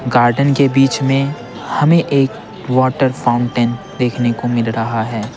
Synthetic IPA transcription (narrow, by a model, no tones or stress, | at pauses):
ɡaːɾɖənkebiːt͡ʃmẽ | hɐmẽʔeːk | wɔːʈəɾfʰãːʊ̃ɳʈẽːn | d̪eːkʰnekomɪlɾɐɦaɦɛː